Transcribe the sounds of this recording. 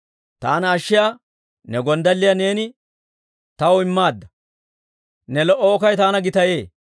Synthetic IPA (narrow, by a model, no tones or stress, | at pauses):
t̪aːnɐʃːɪjaː | nɛɡɔnd̪ɐlːɪjane̞ːnɪ | t̪ɐwɔɪmːaːd̪ːɐ | nɛlɔʔːɔːkɐjt̪aːnɐɡɪt̪ɐjeː